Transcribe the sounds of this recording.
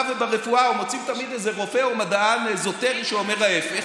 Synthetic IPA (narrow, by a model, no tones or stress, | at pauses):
vbeʁefuaumot͡simt̪amid̪ezeʁo̞feomad̪aanzot̪eʁiʃeomeʁaefe